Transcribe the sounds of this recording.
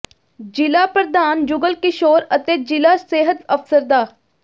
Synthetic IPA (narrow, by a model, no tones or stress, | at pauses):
d͡ʒɪlaːpəɾd̪aːnd͡ʒʊɡəlkɪʃoːɾət̪eːd͡ʒɪlaːseːɦət̪əfsəɾd̪aː